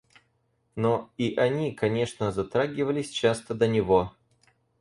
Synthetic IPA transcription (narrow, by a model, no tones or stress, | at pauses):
noiʔɐnʲikɐnʲe̞ʂnəzɐt̪ɾaɡʲɪvəlʲɪsʲt͡ɕast̪əd̪ənʲɪvo